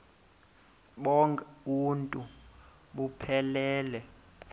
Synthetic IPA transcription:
ɓɔŋkʼɛuntʼu | ɓupʰɛlɛːlɛ

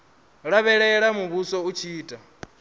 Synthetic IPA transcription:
ɺaβɛɺɛɺamuβusɔut͡ʃʰiːtʼa

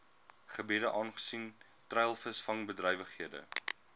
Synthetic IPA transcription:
χəbiːdəʔɑːnχə̥sintrɛjlˠfəsfɐŋbədrɛjvəχɦiədə̰

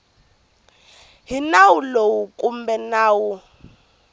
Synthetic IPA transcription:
ɦinawulowukʼumbɛnaːwu

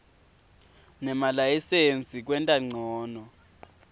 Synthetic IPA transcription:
nɛmalaisend͡zʱʼik̬ʼwɛntʼaŋ͡ǀʱɔːnɔ

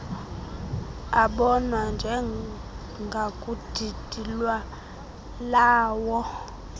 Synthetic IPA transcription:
aɓɔnwand͡ʒʱɛ | ŋɡʱakʼud̥ʱid̥ʱilwa | laːwɔ

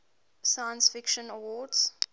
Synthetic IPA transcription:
sajə̃nsfɪkʃə̃nəwɔːdz̥

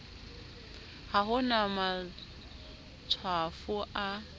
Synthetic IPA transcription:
haɦʊnama | t͡sʰwafʊʔa

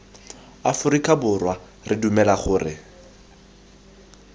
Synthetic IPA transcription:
afʊɾikʼabʊrwa | rʔɪdumɛlaχʊːrɪ̰

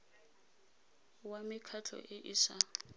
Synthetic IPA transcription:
wamɪkʰat͡ɬʰɔ̰ʔɪʔɪsa

